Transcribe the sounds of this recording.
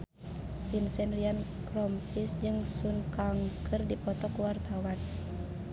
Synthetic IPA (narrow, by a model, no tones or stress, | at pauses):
pinsɛnrian | kɾɔmpisd͡ʒɨŋsunkaŋkʰɨrdipɔt̪ɔkuwart̪awan